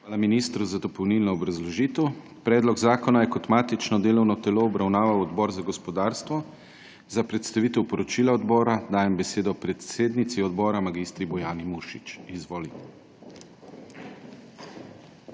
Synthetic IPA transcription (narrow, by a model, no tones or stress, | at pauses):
aːlaminist̪ɾuzad̪ɔpɔwnilnɔːbɾazlɔʒiːt̪əw | pɾɛːd̪lɔɡzaːkɔnajɛkɔt̪maːt̪it͡ʃnɔd̪eːlɔwnɔt̪ɛloːbɾawnaːʋawɔd̪bɔːɾzaɡɔspɔd̪aːɾst̪ʋɔ | zapɾɛt̪st̪aʋiːt̪ɛwpɔɾɔt͡ʃiːlaɔd̪bɔːɾad̪aːjɛmbɛseːd̪ɔpɾɛt̪seːd̪nit̪siɔd̪bɔːɾamaɡiːst̪ɾibɔjaːnimuʃit͡ʃizʋoːli